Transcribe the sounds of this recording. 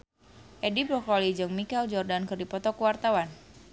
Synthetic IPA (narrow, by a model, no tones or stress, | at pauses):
ʔɛdibɾɔkɔlid͡ʒɨŋmikɛld͡ʒɔrdankɨrdipɔt̪ɔkuwart̪awan